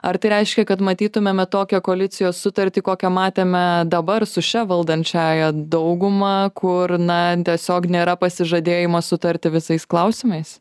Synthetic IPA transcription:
ɐɾt̪ɐɪɾʲɛɪʃʲkʲɛkɐt̪mɐt̪ʲiːt̪ʊmʲeːmʲɛt̪oːkʲɛkoːlʲɪt̪sʲɪjoːssʊt̪ɐɾʲt̪ʲiːkoːkʲɛmɑːt̪ʲeːmʲɛd̪ɐbɐrsʊʃʲɛʋɐlˠd̪ɐnʲt͡ʃʲæːjɛd̪ɐʊɡʊmɑkʰʊrnɐt̪ʲiɛsʲoːknʲeːɾɐpɐsʲɪʒɐd̪ʲeːjɪmɐsʊt̪ɐɾʲt̪ʲɪʋʲɪsɐɪsklˠɐʊsʲɪmɐɪs

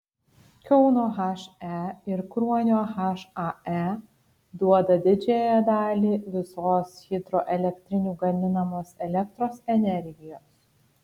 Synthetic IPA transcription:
kʲɛʊnoːɦɑʃæɪɾkɾuɔnʲoːɣɑʃɑæ | d̪uɔd̪ɐd̪ʲɪd͡ʒʲeːjɛd̪ɑːlʲiːʋʲɪsoːsxʲɪd̪ɾoːʔɛlʲɛkt̪ʲɾʲɪnʲuːɡɐmʲɪnɐmoːsɛlʲɛk̚t̪ɾoːsɛnʲɛɾʲɡʲɪjoːs

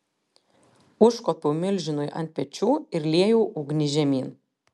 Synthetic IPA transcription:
ʊʃkɔpʲuːmʲɪlʲʒʲɪnʊjʔɐ̰nʲt̪̚ʲpʲɛt͡ʃʲuːɪɾlʲiɛjuːʔʊɡnʲɪʒʲɛmʲiːn

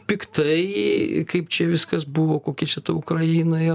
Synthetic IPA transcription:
pʲɪkt̪ɐɪkɐɪpt͡ʃʲɛʋʲɪskɐsbuʋoːkoːkʲɛt͡ʃʲɛt̪ɐʊkɾɐjiːnɐɪ

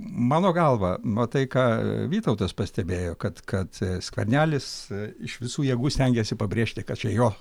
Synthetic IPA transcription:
mɑːnoːɡɐlˠʋɐmɐt̪ɐɪkɑːʋʲiːt̪ɐʊt̪ɐspɐsʲt̪ʲɛbʲeːjoːkɐt̪kɐt̪sʲkʋʲɛ̰rʲnʲæːlʲɪsɪʃʋʲɪsuːjɛɡuːsʲt̪ʲɛŋʲɡʲɛsʲɪpɐbʲɾʲeːʃʲt̪ʲɪkɐt̪t͡ʃʲɛjoː

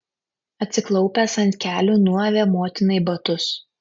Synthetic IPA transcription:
ɐt̪ʲsʲɪklˠɒʊpʲɛˑsɐnʲt̪ʲkʲæːlʲuːnuɔʋʲeːmoːt̪ʲɪnɐɪbɐt̪ʊs

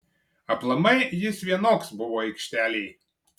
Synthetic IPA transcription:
ɐplˠɐmɐɪjɪsʋʲiɛnoːksbʊʋoːɛɪkʃʲt̪ʲæːlʲɛɪ

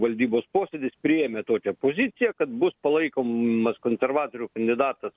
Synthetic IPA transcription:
ʋɐlʲd̪ʲiːboːspoːsʲed̪ʲɪspʲɾʲɪjeːmʲet̪oːkʲɛpoːzʲɪt̪sʲɪjɛkɐt̪bʊspɐlˠɐɪkoːmmɐskoːnʲsʲɛrʋɑːt̪oːɾʲukɐnʲd̪ʲɪd̪ɑːt̪ɐs

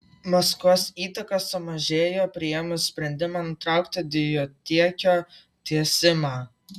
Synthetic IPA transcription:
mɐskoːsiːt̪ɐkɐsʊmɐʒʲeːjoːpʲɾʲɪjɛmʊsʲpʲɾʲɛnʲd̪ʲɪmɑnʊt̪ɾɑˑʊkt̪ʲɪd̪ʲɪjot̪ʲiɛkʲoː | t̪ʲiɛsʲɪmɑː

